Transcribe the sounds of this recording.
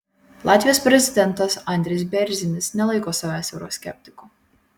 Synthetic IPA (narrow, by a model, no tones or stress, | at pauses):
lˠɑt̪ʲvʲijɛspɾʲɛzʲid̪ʲɛnt̪ɐsanʲd̪ʲɾʲɛjsbʲɛɾʲzʲinʲisnʲɛlˠajkoːsavæːsʲɛɾo̰ɔsʲkʲɛ̰p̚ʲt̪ʲi̥ku